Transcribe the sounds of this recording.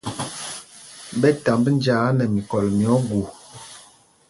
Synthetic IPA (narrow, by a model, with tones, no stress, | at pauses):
bɛ˦ta˨mbə˦n˦d͡ʒaː˨˦nə˨mi˨kɔ˨lmjɔ˨˦ɡu˨